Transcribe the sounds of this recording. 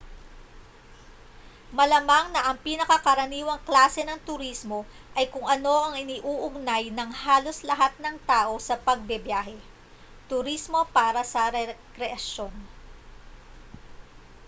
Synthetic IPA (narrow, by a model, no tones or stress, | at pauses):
mɐlɐmaŋnɐʔɐŋpiːnɐkɐkɐɾɐniːwɐŋklaːsɛnɐŋt̪ʊɾismo̞ | ʔɐjkʊŋʔɐno̞ʔɐŋʔɪniʔuːʔʊɡ̚najnɐŋhaːlo̞slɐɦat̪̚nɐŋt̪aːʔo̞sɐpɐɡ̚bɛbjaːɦɛ | t̪ʊɾismo̞paːɾɐsɐɾɛkɾɛʔɐʃo̞n